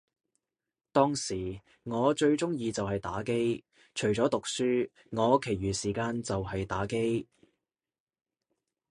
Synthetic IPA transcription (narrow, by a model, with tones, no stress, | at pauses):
t̪ɔː˥ŋsiː˨˩ | ŋɔː˨˧t͡ʃɵ˧ɥt͡sʊ˥ŋjiː˧t͡sɐ˨whɐ˨jt̪a̰ː˨˥ke˥j | t͡ʃʰɵ˨˩ɥt͡sɔː˨˥t̪ʊ˨k̚syː˥ | ŋɔː˨˧kʰe˨˩jɥyː˨˩siː˨˩kaː˧nt͡sɐ˨wɦɐ˨jt̪aː˨˥ke˥j